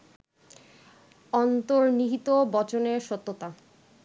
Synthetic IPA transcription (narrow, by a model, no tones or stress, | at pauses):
ɔnt̪oɾniɦit̪obɔt͡ɕoneɾʃɔt̪ːot̪a